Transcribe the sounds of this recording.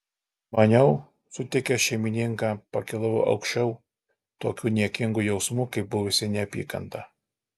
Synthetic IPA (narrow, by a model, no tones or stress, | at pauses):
mɐnʲɛʊ | sʊt̪ʲɛkʲɛʃʲɛɪmʲɪnʲɪŋkɑːpɐkʲɪlˠɐʋo̰ʔɒ̰ʊkʃʲt͡ʃʲɛʊ | t̪oːkʲuːnʲiɛkʲɪŋɡujɛʊsmuːkɐɪp̚bʊʋʊsʲɪnʲɛɐpʲḭːkɐ̰nt̪ɐ